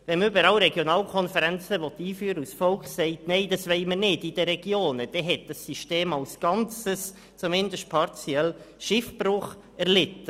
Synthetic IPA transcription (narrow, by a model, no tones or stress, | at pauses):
ʋɛmybəɾɑlɾɛɡjonɑːlkʰɔnfəɾɛnt͡səvɔt̪ːiːfyːɾəusfɔlkχseɪtneɪd̥ɑsʋeɪmənɪdid̥əɾɛɡ̥joːnəd̥ɛɦɛt̚d̥ɑsːiʃteːmɑlsɡ̥ɑnt͡səs | t͡sumɪndəʃt̚pʰɑɾt͡siɛl | ʃɪfb̥rʊχ | ɛɾlɪtə